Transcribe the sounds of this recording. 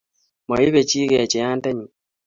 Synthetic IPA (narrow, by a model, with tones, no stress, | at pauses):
mɔ˨i˦βe˨t͡ʃi˦ɣɛ˨t͡ʃe˨ja˦nta˦ɲi˨